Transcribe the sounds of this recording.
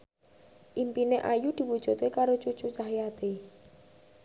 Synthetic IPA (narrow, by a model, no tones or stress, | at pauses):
ʔimpineʔajud̪̥i̤wud̥ʒ̥ṳt̪ekaɾot͡ʃut͡ʃut͡ʃaɦjat̪e